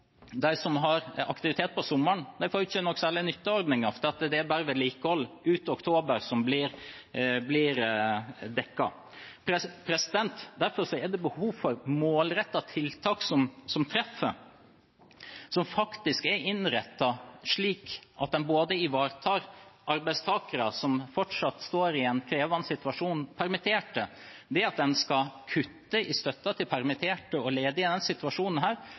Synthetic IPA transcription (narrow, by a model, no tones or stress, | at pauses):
d̪æɪsɔmɦɑɾɑkt̪ɪʋɪt̪ʰeːt̪̚pʰɔsʊmːəɳd̪æɪfoːɾɪçːənɔkːsæːlənʏt̪ːəɔɾd̪nɪŋɑfd̪ɛɑt̪d̪ɛæbæːɾəʋɛːliːkəhɔlː | ʉːt̪əɔkt̪ʰoːbəɾsɔmblɪɾ | blɪɾ | d̪ɛkːɑ̰ | pʰɾɛpʰɾɛsɪd̪ɛnt̪d̪æɾfɔɾʂɔɛɖ̪ɛbəhuːfɔɾmoːlɾɛt̪ːɑt̪ʰɪlt̪ʰɑːksɔmsɔmt̪ʰɾɛfːə | sɔmfɑkt̪ɪskɛɾɪnɾɛt̪ːɑʂɭiːkʔɑt̪̚d̪ɛnboːd̪əɪʋɑːɾt̪ʰɑːɾʔɑɾbæɪst̪ʰɑːkəɾɑsɔmfɔʈʂɑt̪ːst̪oːɾɪɛnkʰɾeːʋʋɑnsɪt̪ʉɑʂuːnpʰæɾmɪt̪ʰeːʈə | d̪ɛɑt̪̚d̪ɛnskɑkʰʉt̪ːəʔɪst̪œt̪ːɑt̪ʰɪlpʰæɾmɪt̪ʰeːʈəɔleːd̪əɪd̪ɛnsɪt̪ʉɑʂuːnən̩ɦæːɾ